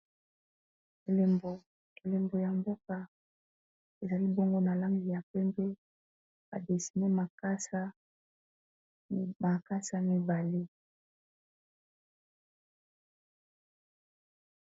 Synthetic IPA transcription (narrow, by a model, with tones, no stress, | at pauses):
e˨le˨mbo˨ | e˨le˨mbo˨ja˨mbo˦ka˨ | e˨za˨li˦bo˦ŋɡo˦na˨la˦ŋɡi˨ja˨pɛ˦mpɛ˦ | ba̰˨de˨si˨ne˦ma˨ka˦sa˦ | ma˨ka˦sa˦mi˦ba˨le˦